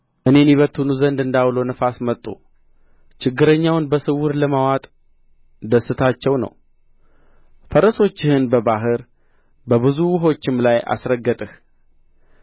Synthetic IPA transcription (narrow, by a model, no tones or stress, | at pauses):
ʔɨne̞njiβət̪ʰːunuzənd̪ɨnd̪aβlo̞nəfasmət̪ʼːṵ | t͡ʃɪɡːɨɾəɲːawnbəsɨwʊɾləmawat̪ʼ | d̪əsːɨt̪ʰat͡ʃːɛwnə̰w | fəɾəso̞t͡ʃːɪhɨnbəbaɦɨɾ | bəβɨzuwɦo̞t͡ʃːɪmlajʔa̰sɾəɡːət̪ʼɨh